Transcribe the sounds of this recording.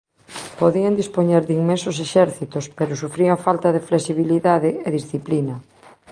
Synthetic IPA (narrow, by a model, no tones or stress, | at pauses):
poðiand̪ispoɲɛɾðiŋmẽnsʊseʃɛɾθit̪ospeɾʊsufɾiafalt̪ɐðɪfleksiβ̞iliðaðɪeðisθiplinɐ